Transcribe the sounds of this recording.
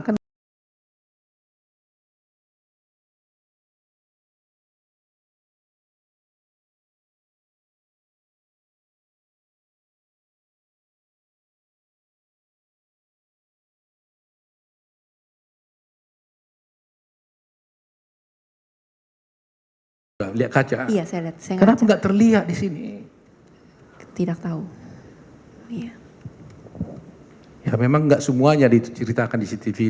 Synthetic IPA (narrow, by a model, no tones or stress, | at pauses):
kən | aʔliaʔ̪̚kat͡ʃaijasajaliat̪̚sajaŋkənapaŋɡaʔt̪ərliat̪̚disinḭ | t̪idak̚t̪au | ija | jamemaŋɡaʔsəmuaɲadit̪ut͡ʃəɾit̪akandisit̪ivi